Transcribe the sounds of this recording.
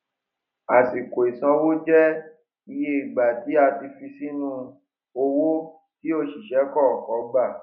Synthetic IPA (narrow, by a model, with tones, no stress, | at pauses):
a˨si˨ko˨i˨sã˧wo˦d͡ʒɛ˦ | i˧je˧i˨ɡ͡ba˨ti˨˦a˧ti˧fi˧si˦nũ˦˧ | o˧wo˦ | ki˦o˦˨ʃi˨ʃɛ˨˦kɔ˦˨kɔ˨˦ɡ͡ba˦˨